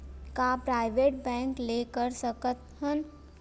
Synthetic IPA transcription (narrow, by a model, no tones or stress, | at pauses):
kapɾaːɪʋeːʈ̚bɛ̃ːŋkleːkəɾsəkət̪hən